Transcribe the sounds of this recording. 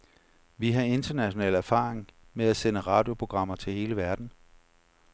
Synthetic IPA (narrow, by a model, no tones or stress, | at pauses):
ʋiɦɑ̈e̝nd̥ɐnæɕo̝nɛ̰ːlæɐfɑ̰̈ːeŋ | meæsenəʁɑ̈ːd̥jo̝pʰo̝ɡ̥ʁɑ̈m̰ɐt͡sʰe̝lhe̝ːləʋæɐd̥n̩